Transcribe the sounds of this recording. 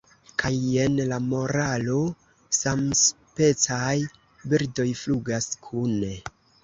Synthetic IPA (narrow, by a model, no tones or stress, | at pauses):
kʰaje̞nlamo̞ɾalo̞ | sams | pe̞t͡saj | biɾdo̞jfluɡaskʰune